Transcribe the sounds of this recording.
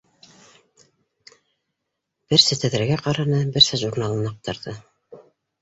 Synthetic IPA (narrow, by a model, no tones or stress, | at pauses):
b̥ɘɾsɘt̪æ̆ðɾæɡæqɑɾɑnɤbɘɾsɘʒuɾnɑlˠɤ̆nɑq̚t̪ɤ̆ɾðɤ